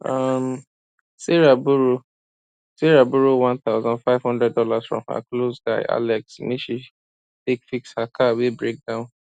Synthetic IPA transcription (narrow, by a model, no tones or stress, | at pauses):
am | seɹabuɾo | seɾabuɾowãnt̪aʊzɔ̃ndfaɪvhɔ̃ndɹɛd̚dɔlasfɹɔ̰̃mha̰klosdaɪʔa̰lɛksnĩʃi | tekfikshakʰawibɹek̚dãʊ̃n